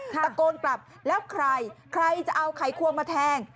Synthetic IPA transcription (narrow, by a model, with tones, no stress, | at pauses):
a˧koː˧nkla˨˩p̚ | lɛː˦˥wkʰɾa˧jkʰɾa˧jt͡ɕa˨˩ʔa˧wkʰa˨˩˦jkʰu˧əmaː˧t̪ʰɛː˧ŋ